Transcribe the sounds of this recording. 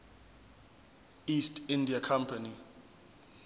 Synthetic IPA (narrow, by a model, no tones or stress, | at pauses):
istindiakʰampʰani